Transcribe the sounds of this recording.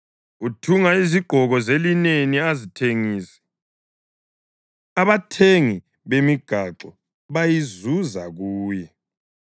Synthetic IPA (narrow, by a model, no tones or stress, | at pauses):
utʰuŋaiziɡ͡ǃ̥ʱɔɣɔzelineniazitʰeŋiːsɛ̥ | aβatʰeŋi | βemiɡ̥ʱaǁɔ | βajizuzaɣuːjɛ